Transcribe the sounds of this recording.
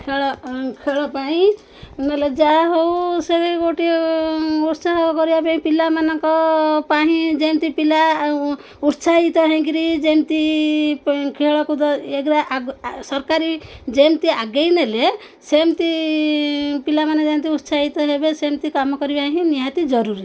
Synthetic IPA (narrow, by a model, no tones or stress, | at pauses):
kʰeɔkʰeɭɔpaĩ | neled͡ʒaɦowsebekoʈi | uɾsaɦkɔɾibapaĩpilamanɔŋkɔpaɦĩd͡ʒemt̪ipila | uɾsaɦit̪ɔɦẽkiɾid͡ʒemt̪i | kʰeɭɔkud̪ɔeɡɾaʔsɔɾkaɾid͡ʒemt̪iaɡejnele | semt̪i | pilamanɔ̃d͡ʒemt̪iuɾsaɦit̪ɔɦebesemt̪ikamɔkɔɾibaɦĩniɦat̪id͡ʒɔɾuɾi